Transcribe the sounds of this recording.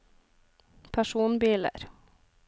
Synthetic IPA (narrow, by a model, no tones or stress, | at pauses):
pʰæʃuːnbiːlə̰ɾ